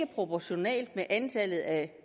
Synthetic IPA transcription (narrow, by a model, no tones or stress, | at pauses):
əpʰʁo̝pʰɒɕo̝nɛ̰ːld̥meʔænt͡sʰælð̞̩ˠæ